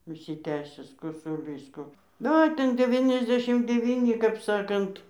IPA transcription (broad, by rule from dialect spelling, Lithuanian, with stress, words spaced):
ʊʃʲsʲɪˈtʲæːsʲæːs koːsʊˈlʲiːs ˈkoː nʊ ˈoː ˈtʲɛn dʲɛˌʋʲɪnʲɛzʲˈdʲæːʃʲɪm dʲɛˈʋʲiːnʲɪ kɐp ˈsɑːkɐnt